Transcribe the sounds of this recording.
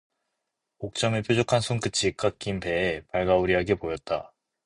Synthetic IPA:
ok̚t͡ɕ͈ʌmepʰjod͡ʑokʰansʰuŋk͈ɯt͡ɕʰik͈ak͈impe̞ːpaɭɡauɾiɦaɡe̞pojʌt̚t͈a

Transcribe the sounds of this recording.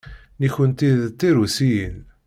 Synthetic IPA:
niçənt̪iðt̪ːiɾusijən

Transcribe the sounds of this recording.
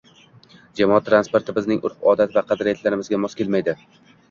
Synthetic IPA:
d͡ʒamɒɒt̪ːɾanspoɾt̪ʰɪbɪznɪŋʔʊ̰ɾqɒd̪at̪vaqʰɑd̪ɾɪjat̪laɾɪmɪzɡʲamɒskʲʰelmajd̪ɪ

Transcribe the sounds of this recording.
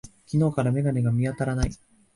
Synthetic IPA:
kʲino̞ːkaɾame̞ɡaneɡamʲiat̪aɾanaḭ

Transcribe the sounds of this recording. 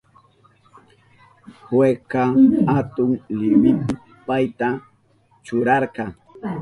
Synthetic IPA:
hwekɑhat̪ʊŋlɪmɪpɪ | pajt̪a | t͡ʃʊɾɑɾqɑŋ

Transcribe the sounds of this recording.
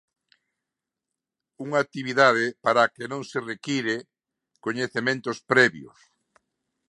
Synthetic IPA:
uŋat̪iβiðaðɪpaɾakenõŋserekiɾe | koɲeθemẽnt̪ospɾɛβjo̰s

